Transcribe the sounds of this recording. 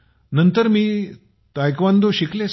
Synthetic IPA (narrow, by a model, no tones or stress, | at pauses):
nənt̪əɾmiː | t̪ajkʋand̪oɕikles